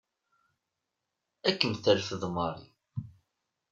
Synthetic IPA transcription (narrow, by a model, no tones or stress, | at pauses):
ækːənθæɾfəðmɑɾˤḭ